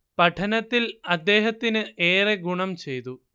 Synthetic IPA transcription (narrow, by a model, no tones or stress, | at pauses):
pɐʈʰɐnɐt̪ːilɐd̪ːe̞ːɦɐt̪ːinɨʔeːreɡuɳɐmt͡ɕe̞jt̪u